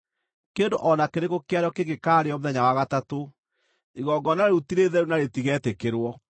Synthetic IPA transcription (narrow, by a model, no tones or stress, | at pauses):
kendoʔɔnakeɾeɣokeaɾjɔkeɡekaːɾeɔmoðɛɲawaɣatato | iɣɔɡɔnaɾeutiɾeðɛɾunaɾetiɣɛtekeɾwɔ